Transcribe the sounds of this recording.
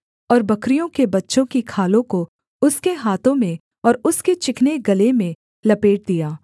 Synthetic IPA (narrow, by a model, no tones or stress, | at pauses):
ɔːɾbɐkɾijõkebɐtːʃõkikʰaːlõko | ʊskeɦaːt̪ʰõmẽ | ɔːɾʊsket͡ʃɪkʰneɡɐlemẽ | lɐpeːʈ̚d̪ijaː